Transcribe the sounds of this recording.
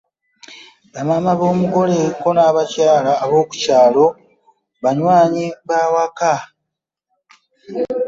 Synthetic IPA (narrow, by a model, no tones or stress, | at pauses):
βamamaβo̞ːmuɡo̞leko̞naːβacaːlaːβo̞ːku̥caːlo̞ | βaɲwaːɲiβawaka